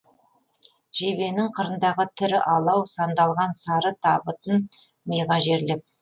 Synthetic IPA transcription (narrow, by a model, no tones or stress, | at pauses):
ʒ̥e̞βe̞nɪŋqʰəɾənd̪ɑʁət̪ʰɪɾɪʔɑlˠɑwsɑnd̪ɑlˠʁɑnsɑɾət̪ʰɑbət̪ən | mejʁɑʒe̞ɾlɪp̚